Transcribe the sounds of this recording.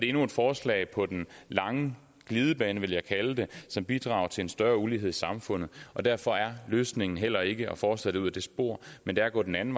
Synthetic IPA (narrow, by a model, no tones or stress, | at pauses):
ɾ̥e̝e̝nue̝d̥fɒːslɛ̰ɪpʰɒ̽d̥enlɑ̈ŋə | ɡ̥liːð̞ˠəb̥ɛːnəʋe̝ljɑ̈ɪkʰæləd̥e̝sɒ̽mb̥id̥ʁɑ̰̈ːʊɐt͡sʰe̝lensd̥ɶɐuliɦeð̰ˠisɑ̈mfɔ̽n̰ð̞̩ˠʔɒ̽d̥æɐfɒ̽æɐløːsne̝ŋn̩ɦel̰ɐe̝ɡ̥əɒ̽fɒːslɛd̥euð̰ˠæd̥e̝sb̥o̝ɐ̰mend̥eæɐɡ̥ɔ̰̽ːd̥enæn̩